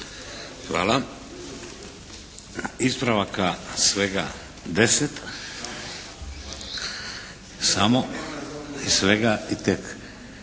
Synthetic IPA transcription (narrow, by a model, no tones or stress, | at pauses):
xʋa̰ːla | ispɾaʋakasʋeɡa̰ | d̪eset̪ | samo | isʋeɡait̪ek